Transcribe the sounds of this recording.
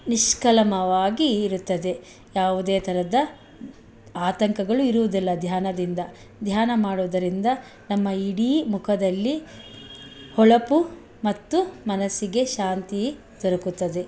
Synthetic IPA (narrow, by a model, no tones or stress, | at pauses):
niʃkɐlɐmɐʋaːɡiːɾut̪ːɐd̪e̞ | jaːʋud̪eːt̪ʰɐɾɐd̪ɐ | aːt̪ɐŋkɐɡɐɭuiɾuʋud̪ilːɐd̪ʱjaːnɐd̪ind̪ɐ | d̪ʱjaːnɐmaːɽoʋd̪ɐɾind̪ɐ | nɐmːɐiɽiːmukʰɐd̪ɐlːi | hɔɭɐpu | mɐt̪ːumɐnɐsiɡe̞ʃaːnt̪i | d̪ɔɾɐkut̪ːɐd̪e̞